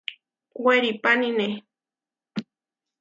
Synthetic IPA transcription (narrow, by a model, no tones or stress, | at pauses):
weɾipanine